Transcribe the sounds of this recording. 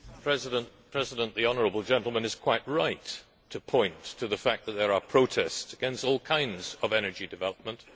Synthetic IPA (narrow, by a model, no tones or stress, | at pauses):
pʰɹ̥ɛzɪɾə̃npʰɹ̥ɛzɨɾə̃nʔðiɑnə˞əbl̩ˠd͡ʒɛ̃ntˡl̩ˠmə̃nɨz̥kʰw̥aɪt̚ɹaɪtʰ | ɨpʰɔ̃ɪ̃ntʰɨðəfæk̚ðət̪̚ðə˞əpʰɹ̥oʊtʰɛstsɨɡ̥ɛ̃nstɔlˠkʰãɪ̃ndzʌvɛnə˞d͡ʒidɨvɛlˠəp̚mə̃nt